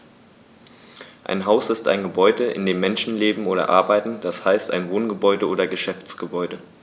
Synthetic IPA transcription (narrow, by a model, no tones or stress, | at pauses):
ʔa̰ɪnɦaʊsɪsta̰ɪnɡəbɔʏdəʔɪ̰ndeːmːɛnʃn̩leːbm̩oːɾɐ̰ʔa̰ɐbaɪtn̩d̥ashaɪsta̰ɪnvoːnɡəbɔʏdəoːdɐɡəʃɛft͡sɡ̥əbɔʏdə